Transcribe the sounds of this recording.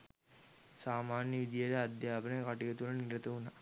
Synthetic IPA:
saːmaːnjəʋid̪ijɐɾead̪jaːbɐnəkaʈiɡɐt̪ulɐniɾɐt̪ɐuna

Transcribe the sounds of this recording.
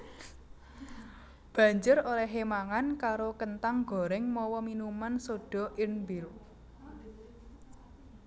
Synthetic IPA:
b̥ä̤ɲd͡ʒʊɾoɾɛɦemaŋankaɾokənt̪aŋɡɔ̤ɾɛŋmɔwɔminumansoɖ̥ɔ̤ʔɪnmbiɾu

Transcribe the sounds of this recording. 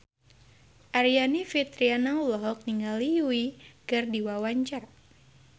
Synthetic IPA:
ʔaɾianifit̪ɾianaulɔɦɔk̚niŋaliuiɡardiwawaɲt͡ʃar

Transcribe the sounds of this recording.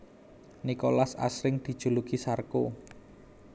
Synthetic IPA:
nikolasa̰sɾɪŋd̪̥i̤d̥ʒ̥ṳlukisarko

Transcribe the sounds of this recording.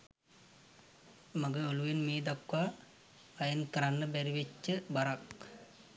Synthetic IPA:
maɡəoluʋenmeːd̪akwaː | jənkəɾanːəbɛɾiʋet͡ʃːəbaɾak

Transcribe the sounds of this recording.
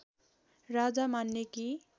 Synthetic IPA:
rad͡zamanːeki

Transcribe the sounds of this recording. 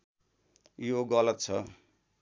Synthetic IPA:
joɡʌlʌt̪̚t͡sʰʌ

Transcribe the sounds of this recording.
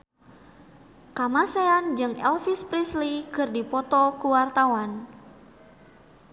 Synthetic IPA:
kamaseand͡ʒɨŋɛlfispɾislikɨrdipɔt̪ɔkuwart̪awan

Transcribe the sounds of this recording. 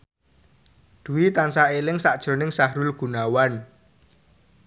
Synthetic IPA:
d̪̥ṳwit̪ansaelɪŋsaʔd̥ʒ̥ɾo̤nɪŋsaɦɾʊlɡ̥ṳnawan

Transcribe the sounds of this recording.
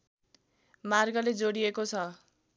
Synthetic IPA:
marɡʌled͡zoɽiekot͡sʰʌ

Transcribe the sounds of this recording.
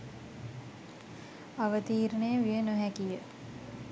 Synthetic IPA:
aʋət̪iːɾnəjəʋijənoɦækijə

